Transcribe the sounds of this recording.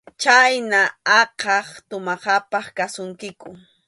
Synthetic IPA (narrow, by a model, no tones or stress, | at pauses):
t͡ʃajnaɑqɑχt̪ʊmɑsɑpɑχkasʊŋkɪkʊ